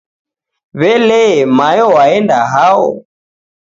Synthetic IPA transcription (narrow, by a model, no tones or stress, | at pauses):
βɛlɛmajɔwaɛndaɦaɔ̰